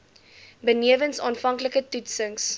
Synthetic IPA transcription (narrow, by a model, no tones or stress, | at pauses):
bəniəvənsɑːnfɐŋkləkətutsəŋs